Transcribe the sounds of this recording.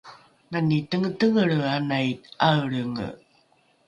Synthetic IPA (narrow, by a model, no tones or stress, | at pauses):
nanitəŋətəŋəɭanajtaəɭəŋə̰